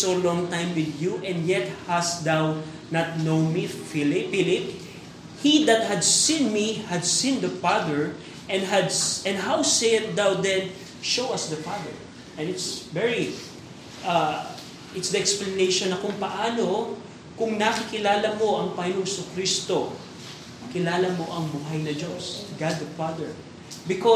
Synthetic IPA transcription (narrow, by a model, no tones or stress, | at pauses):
solɔ̃ŋt̪ãjmwɪd̪juʔɛ̃nd̪jɛt̪̚hasd̪aw | nɐt̪̚nõwnmifilɪfilɪp̚ | hid̪ɐt̪̚hɐd̪sĩnmihɐd̪sĩnd̪ɐfaðɛɹ | ʔɛ̃nd̪ɦɐd̪ɛ̃nd̪ɦawsejn̚d̪awd̪ɛ̃n | ʃowɐsd̪ɐfaðɛɹ | ʔɛ̃nɪt̪svɛɹi | ʔa | ʔɪt̪sd̪ɐɛksplɐnejʃonːɐkʊŋpɐʔaːno | kʊŋnakɪkɪlaːlɐmo̞ʔɐŋpɐjnoŋsʊkɾist̪o | kɪlaːlɐmo̞ʔɐŋbuːɦajnɐd͡ʒosɡad̪̚ːɐfad̪ɛɹ | bɪko